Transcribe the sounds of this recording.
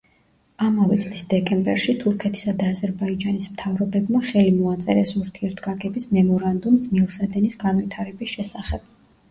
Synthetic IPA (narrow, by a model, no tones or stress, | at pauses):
amavɛt̪sʼlisd̪ɛkʼɛmbɛɾʃit̪ʰuɾkʰɛt̪ʰi̥sad̪aːzɛɾbaid͡ʒanismt̪ʰavɾɔbɛbmaχɛlimɔat̪sʼɛɾɛsuɾt̪ʰiɛɾt̪ʰɡaɡɛbismɛmɔɾand̪umsmilˠsad̪ɛnisɡanvit̪ʰaɾɛbisʃɛsaχɛb̥